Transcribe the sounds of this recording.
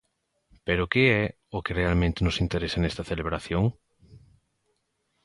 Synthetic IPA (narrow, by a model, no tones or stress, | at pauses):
peɾʊkɪɛ | ʊkɪrealmẽnt̪ɪnʊsint̪eɾesɐnɛst̪ɐθeleβɾaθjoŋ